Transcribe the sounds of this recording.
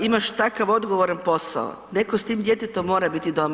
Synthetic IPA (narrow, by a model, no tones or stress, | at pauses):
imaʃt̪akaʋo̞d̪ɡoʋoɾanpo̞sa̰o̰ | ne̞kost̪iːmd̪jet̪et̪omːo̞ːɾabit̪id̪om